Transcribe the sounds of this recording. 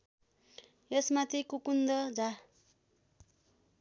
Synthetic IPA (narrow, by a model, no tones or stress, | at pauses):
jʌsmat̪ʰikukund̪ʌd͡za